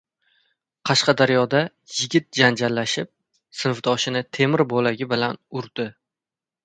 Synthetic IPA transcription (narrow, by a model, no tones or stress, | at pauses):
qʰɑʃqɑd̪aɾjɒd̪a | jɪɡʲɪt̪̚d͡ʒand͡ʒalːaʃɪp̚ | sɪnfd̪ʰɒʃɪnɪt̪ʰe̞mɪɾbolaɡʲɪbɪlanʊɾd̪ɪ